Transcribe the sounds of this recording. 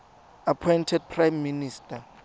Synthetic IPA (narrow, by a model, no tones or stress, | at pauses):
apʰɔjntʰɛd̚pʰrajmːinistʰʼa